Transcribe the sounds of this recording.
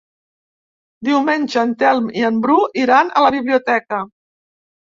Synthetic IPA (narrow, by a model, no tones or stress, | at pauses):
d̪iwmenʲʒəːnt̪ɛlˠmiəmbɾuʔiɾanə̰ləβiβliut̪ɛkə